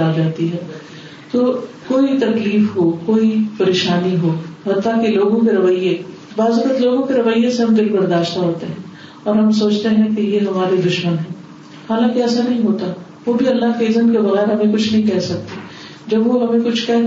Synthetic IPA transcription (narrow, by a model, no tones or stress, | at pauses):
aːd͡ʒaːt̪iɦɛː | t̪oːkoːit̪ɐkliːfɦokoːipɐɾeːʃaːniɦoːɦɐt̪ːakeloːɡõkeɾɐʋəjːe | baːzʊkət̪loːɡõkeɾɐʋəjːẽseɦɐmɡ̪ɪlbɐɾd̪aːʃt̪aɦoːt̪eɦɛ̃ | ɔːɾɦɐmsoːt͡ʃt̪eɦɛ̃kejeɦɐmaːɾed̪ʊʃmənɦɛ̃ː | haːlãːkiɛːsanɐɦĩɦoːt̪a | ʋoːbʱiɐlːaːkeɪzəmkebɐɣɛːəɾɦɐmẽkʊt͡ʃʰnɐɦĩkɛɦsɐk̚t̪e | d͡ʒɐbʋoɦɐmẽkʊt͡ʃʰkɛɦ